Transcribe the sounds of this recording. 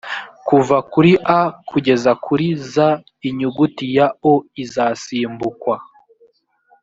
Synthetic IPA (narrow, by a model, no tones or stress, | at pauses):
kuvakuɾiʔakʰuɟe̞zakʰuɾiza | iɲuɡutijaoizaːsiːmbukwa